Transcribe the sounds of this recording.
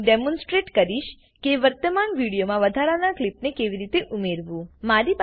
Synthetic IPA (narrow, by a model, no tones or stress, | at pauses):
ɖemɔ̃nsʈɾeʈkəɾiʃ | keʋəɾt̪əmanʋiɽijomãʋəd̪ʱaɾanaklipnekeʋiɾit̪eʔumeɾʋũmaɾip